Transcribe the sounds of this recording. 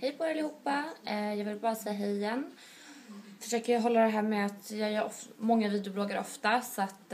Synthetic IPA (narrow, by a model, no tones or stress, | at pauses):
hɛjpʰɔɛɾalɪhuːpːajɑːɡvɪlbɑːɾasɛjːaɦɛjɛnː | fœ̥ʂøːkəɦɔlːad̪ɛɦæːɾmɛat̪jɑːœɾɔfmɔŋːaviːd̪ɪʊbloːɡəɾɔft̪asat̪ː